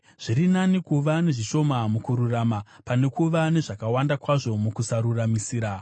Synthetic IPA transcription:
ʐ̥iɾinanikuʋane̞ʐiʃo̞mamukuɾurama | pane̞kuʋane̞ʐakawandakwaʐo̞mukusaɾuramisiːɾa

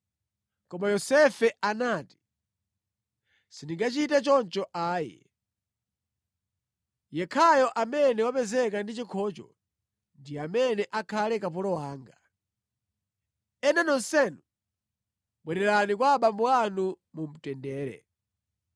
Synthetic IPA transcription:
kɔmajɔsɛfɛanaːti̥ | sindiŋɡat͡ʃitɛt͡ʃɔnt͡ʃɔʔaːjɛ̰ | jɛkʰajɔʔamɛnɛwapɛzɛkandit͡ʃikʰɔt͡ʃɔ̰ | ndiamɛnɛʔakʰalɛkapɔlɔwaːŋɡa | ɛnanɔnsɛnu | ɓwɛɾɛɾanikwaɓambɔanu | mum̩tɛndɛːɾɛ̰

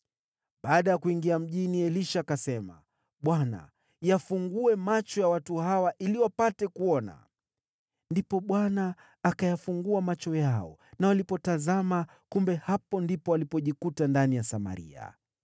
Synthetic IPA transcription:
ɓaːɗajakuiŋɡiam̩ʄiniɛliʃakasɛma̰ | ɓwana̰ | jafuŋɡuɛmat͡ʃɔjawatuhawaʔiliwapatɛkuɔna̰ | ndipɔɓwanaː | kajafuŋɡuamat͡ʃɔjaɔ̰nawalipɔtazama | kumbɛhapɔndipɔalipɔʄikutandanijasama̰ɾḭa̰

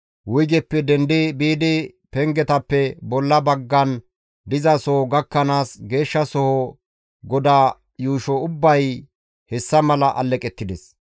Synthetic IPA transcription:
wʊjɡɛpːɛd̪ɛnd̪ebiːd̪e | pɛŋɡɛt̪ɐpːɛbɔlːɐbɐɡːɐn | d̪ɪzɐsɔhɔɡɐkːɐnaːsɡe̞ːʃːɐsɔhɔ | ɡɔd̪aː | juːʃɔʊbːɐj | hɛsːɐmɐlɐʔɐ̰lːɛkʼɛt̪ːɪd̪ɛs

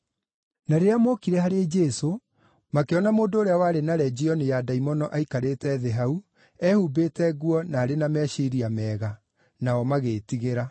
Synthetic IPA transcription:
naɾeamokiɾɛhaɾed͡ʒɛso | makeɔnamoːndoːɾeawaɾenaɾɛd͡ʒiɔnejadaimɔnɔʔaikaɾetɛðɛɦau | ɛhubetɛɣwɔnaːɾenamɛʃiɾiamɛːɣa | naɔmaɣeːtiɣeɾa

